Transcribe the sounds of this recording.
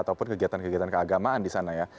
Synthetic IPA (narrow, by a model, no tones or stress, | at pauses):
at̪awpʊnkəɡiat̪ankəɡiat̪ankəaɡamaandisanaja